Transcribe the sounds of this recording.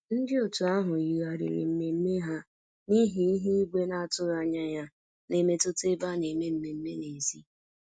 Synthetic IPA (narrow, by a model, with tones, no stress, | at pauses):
n̩˦dɪ˦o˨tu˨a˦ɦʊ˨i˨ɣa˨ɾɪ̰˨ɾɪ̰˨m̩˦me˨m̩˦me˦ɦa˦ | ni˦ɦi˦i˦ɦi˦i˦ɡʷe˦na˦a˦˨tʊ˦ɣa˦ɲa˦ja˦ | ne˨me˦tʊ˦te˦ba˦ne˨me˦m̩˦me˨m̩˦me˦ne˨zi˦